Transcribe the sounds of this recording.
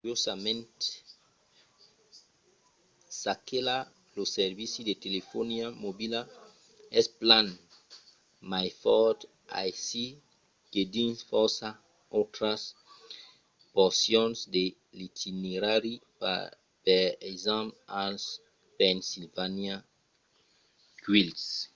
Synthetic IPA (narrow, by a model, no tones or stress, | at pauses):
ujosamẽnt̪e̥ | sakela | loseɾβisidet̪elefoniamobila | esplan | majfɔd̪ | a̰jsi | ked̪infɔsa | ot̪ɾas | poɾsjonsd̪e | lit̪ʰineɾaɾipa̰ | peɾezãmals | pensilvanja | ɡwils